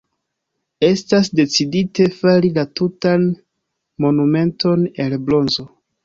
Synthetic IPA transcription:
e̞stasde̞t͡sidite̞faɾilatutan | mo̞nume̞nto̞ne̞lblo̞nzo̞

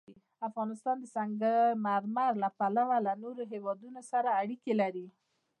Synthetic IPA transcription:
afɣɑnɪst̪ɑnd̪əsaŋɡamaɾmaɾlapalawalanoɾoɦewɑd̪unosaɾaːɽikelaɾi

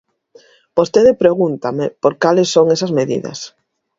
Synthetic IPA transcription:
b̥ost̪eðɪpɾeɣunt̪amɪpoɾkalɪsːoŋesɐzmeðḭðɐ̰s

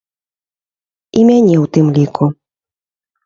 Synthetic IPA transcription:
imʲanʲɛwt̪ɨmlʲikʰu

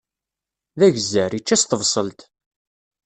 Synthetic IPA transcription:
ðæʝzːəɾit͡ʃːæst̪əvsˤəlt̪

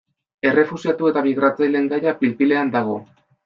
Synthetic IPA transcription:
e̞re̞fusiat̪ue̞t̪aβiɣ̞ɾat͡sajle̞ŋɡajapilpile̞and̪aɣ̞o̞

